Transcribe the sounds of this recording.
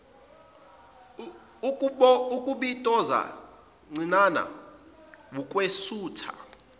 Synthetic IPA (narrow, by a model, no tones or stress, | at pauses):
kʼuɓɔukʼuɓitʼɔza̰ | ŋ͡ǀʱinana̰ | wukʼwesuːtʰa̰